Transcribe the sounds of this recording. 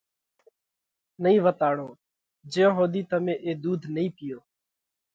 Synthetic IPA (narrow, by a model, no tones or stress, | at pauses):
nəĩːʋət̪aːɽõː | d͡ʒeːõːɦoːd̪iːt̪əmẽːʔeːd̪uːd̪ʱnəĩːpɪjoː